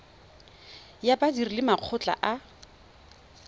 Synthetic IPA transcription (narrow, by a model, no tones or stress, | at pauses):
jabadirilɪmaq͡χʰʊt͡ɬʼa̰ʔa